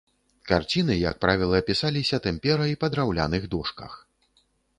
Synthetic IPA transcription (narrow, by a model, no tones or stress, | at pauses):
kart͡sʲin̪ɨjɐ̰k̚pɾavʲilˠɐːpʲisalʲisʲɐt̪ɛmʲpʲɛɾɐipɐd̪ɾawlʲa̰nɨɣd̪ɔʂkɐ̰x